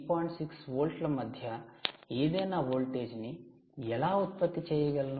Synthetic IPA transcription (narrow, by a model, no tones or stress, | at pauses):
pɔːjɳʈsiksʋoːlʈlɐmɐd̪ʱjɐiːd̪eːnɐʋoːlʈe̞ːd͡ʒni | ɛlaːut̪̚pɐt̪ːit͡ʃɛːjɐɡɐlɐn